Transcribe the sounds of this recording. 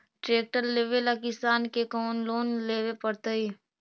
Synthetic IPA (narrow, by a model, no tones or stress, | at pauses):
ʈɾeːk̚ʈəɾleːʋelakɪsaːnkekɔːnloːnleːʋepəɽt̪əiː